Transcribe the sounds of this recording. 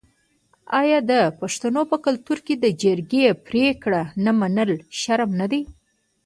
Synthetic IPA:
ɑjɑd̪əpaʂt̪anopəkʊlt̪uɾked̪əd͡ʒəɾɡepɾekɽanamanəlʃaɾmnad̪ej

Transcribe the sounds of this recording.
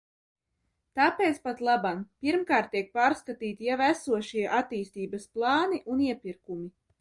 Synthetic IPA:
t̪aːpeːt̪spat̪lˠabampiɾmkaːɾt̪̚ːiɛk̚paːɾskat̪iːt̪ijavæsuɔʃiɛʔat̪iːst̪iːbɐsplˠɑːniʔuniɛpʲiɾkumi

